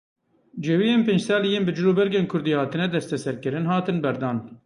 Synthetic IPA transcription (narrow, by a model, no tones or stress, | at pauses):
d͡ʒɛwijeːnpeːnd͡ʒsɑːlijeːnbɨd͡ʒuloːbɛɾɡeːnkʰʊɾd̪iːhɑːt̪ɨnɛd̪ɛst̪ɛsɛɾkɨɾɨnɦɑːt̪ɨnbɛɾd̪ɑːn